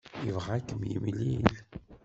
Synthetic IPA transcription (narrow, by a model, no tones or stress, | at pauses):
jəvʁækːəmjə̰mlil